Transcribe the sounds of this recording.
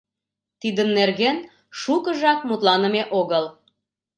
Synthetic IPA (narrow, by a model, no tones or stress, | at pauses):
t̪id̪ənːerɣen | ʃukəʒɑkmut̪lɑnə̆meʔoɣəl